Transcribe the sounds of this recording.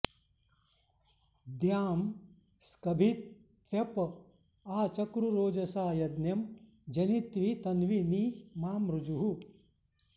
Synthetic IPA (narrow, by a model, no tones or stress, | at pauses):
d̪jaːm | skɐbʱit̪ | ʋjɐp | aːt͡ʃɐkɾuɾoːd͡ʒɐsaːjɐd̪njɐm | d͡ʒɐnit̪ʋit̪ɐnʋiniːmaːmɾud͡ʒuɦu